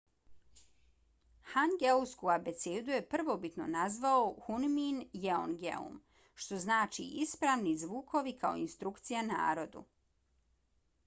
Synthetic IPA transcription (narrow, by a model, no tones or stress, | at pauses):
haŋɡeuskuabe̞t̪sed̪uje̞pr̩ʋo̞bit̪no̞̰nazʋaoxunminjeo̰nɡḛṵm | ʃt̪o̞znaːt͡ʃḭʔispɾaːʋnizʋuːko̞ʋikʰao̞̰inst̪ɾukt̪sijana̰ːɾo̞d̪ṵ